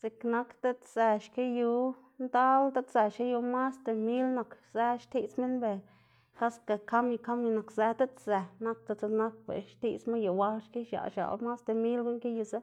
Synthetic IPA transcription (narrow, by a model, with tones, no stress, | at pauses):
si˧kna˧kt̪e˦t̪z̥e˧ʃke˦ju˧ | nd̪a˦lt̪a˦t̪se˨ʃke˦ju˧ma˦st̪e˨mi˦lna˨kze˧ʃt̪i˧t͡smi˦nbe˨ | ka˦ska˧˨ka˦mji˧ka˦mji˧na˨˧kze˧t̪a˦t̪ze˧na˦k̚t̪a˧t͡se˧na˦k̚bḛ˨ʃt̪ḭ˧t͡sma˦ju˨wa˦lʃki˦ʃa̰˨ʃa̰˨lma˦st̪e˨mi˦lɡu˧˦ŋke˦ju˧za˦